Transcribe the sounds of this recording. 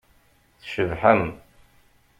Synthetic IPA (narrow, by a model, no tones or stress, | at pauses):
θʃəvħəm